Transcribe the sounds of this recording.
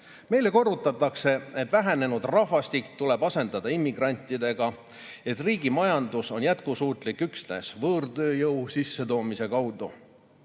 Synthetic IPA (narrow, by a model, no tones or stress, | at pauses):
me̞jle̞ko̞rːut̪ːˑɑt̪ːˑɑkse̞e̞t̪ːˑvæɦæne̞nud̪rɑvɑst̪ikt̪ule̞bɑse̞nd̪ɑd̪̥ɑimːiɡrɑnʲt̪ːˑid̪̥e̞ɡ̥ɑ | e̞t̪ːˑriːɡ̥imɑjɑnd̪uso̞njæt̪kusuːt̪ˑlikːˑyksne̞̰svɤːrd̪ø̞ːjɤwsisːe̞t̪o̞ːmise̞kɑwd̪u